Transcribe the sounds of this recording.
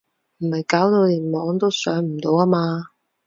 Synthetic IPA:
m̩˨˩hɐ˨jkaː˨˥wt̪o˧wliː˨˩nmɔː˨˥ŋt̪o˥wsœː˨˥ŋm̩˨˩t̪o˨˧waː˥maː˧

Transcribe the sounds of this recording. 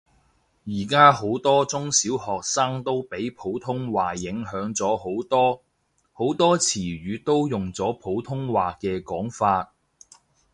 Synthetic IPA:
jiː˨˩kaː˥ho˨˥wt̪ɔː˥t͡sʊ˥ŋsiː˨˥whɔː˨k̚saː˥ŋt̪o˥wpe˨˥jpʰo˨˥wt̪ʰʊ˥ŋwaː˨jɪ˨˥ŋɦœː˨˥ŋt͡sɔː˨˥ho˨˥wt̪ɔː˥ | ho˨˥wt̪ɔː˥t͡sʰiː˨˩ɥyː˨˧t̪o˥wjʊ˨˩ŋt͡sɔː˨˥pʰo˨˥wt̪ʰʊ˥ŋwaː˨kɛː˧kɔː˨˥ŋfaː˧t̚

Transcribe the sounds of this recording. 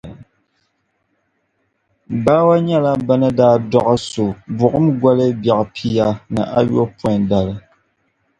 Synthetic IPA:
baː˦wa˦ɲɛ˦la˦ba˦nɨ˦daː˦dɔ˦ʔa˦so˨bʊ˨ʔɨ˦mɡʷa˦lɨ˦bjɛ˨ʔpʰi˦ja˦nɨ˨ʔa˦jo˦pɔ̃˦˨da˨lɨ˨

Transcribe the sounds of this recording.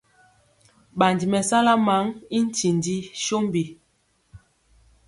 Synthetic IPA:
ɓa˨ndi˨mɛ˨sa˦la˦ma˨˦ŋi˦n̩˦ti˨ndi˦ʃo˦mbi˨

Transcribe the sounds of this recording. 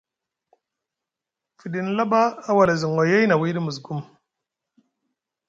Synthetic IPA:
fi˨di˨n˦la˦baː˦wa˨la˨zi˨ŋ˨wa˨ja˦jna˨wi˦di˦mə˨zɡu˦m

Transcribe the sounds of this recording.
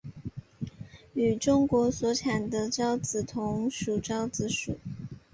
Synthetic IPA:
y˨˩ʈ͡ʂʊ˥ŋkwɔ˧˥swɔ˧˥ʈ͡ʂʰa˨˩ŋd̪ə˦ʈ͡ʂɑ˥ʊt͡sɹ̩˨˩t̪ʰʊ˧˥ŋʂu˨˩ʈ͡ʂɑ˥ʊt͡sɹ̩˧˥ʂu˨˩˦

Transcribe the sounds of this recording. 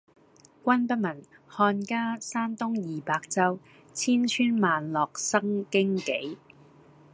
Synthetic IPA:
kʷɐ˥npɐ˥mɐ˨˩n | hɔː˧nkaː˥saː˥mt̪ʊ˥ŋjiː˨paː˧k̚t͡sɐ˥w | t͡sʰiː˥nt͡ʃʰyː˥nmaː˨nlɔː˨k̚sɐ˥ŋkɪ˥ŋke˨˥j

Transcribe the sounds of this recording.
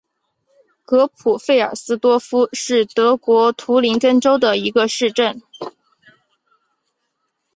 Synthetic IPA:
kɤ˧˥pʰu˨˩fe˥˩ɪə̰˞˨˩sɹ̩˥t̪wɔ˥fu˥ʂɻ̩˥˩t̪ɤ˧˥kwɔ˧˥t̪ʰu˧˥li˧˥ŋkə˥nʈ͡ʂo˥ʊd̪ə˨i˧˥ɡə˧ʂɻ̩˥˧ʈ͡ʂə˥˩n

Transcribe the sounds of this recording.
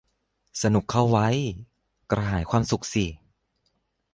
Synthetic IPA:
sa˧nu˨˩kʰːa˥˩wːa˦˥j | kɾa˧ɦaː˩˦jkʰwaː˧msu˨˩k̚si˨˩

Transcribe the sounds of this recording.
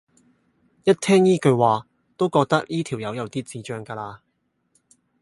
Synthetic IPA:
jɐ˥t̚t̪ʰɛː˥ŋjiː˥kɵ˧ɥwaː˨ | t̪o˥wkɔː˧k̚t̪ɐ˥k̚jʔiː˥t̪ʰiː˨˩wjɐ˨˧wjɐ˨˧wt̪iː˥t͡siː˨˧t͡ʃœː˥ŋkaː˧laː˧

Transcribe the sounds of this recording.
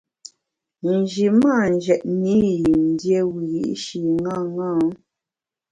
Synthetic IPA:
n̩˨d͡ʒi˨ma˦˨n̩˨d͡ʒɛ˨ʔmi˦ji˨mn̩˨˦dje˦wi˨ɣḭ˦˨˦ʔʃi˨ŋa˦˨ŋa˦˨˦

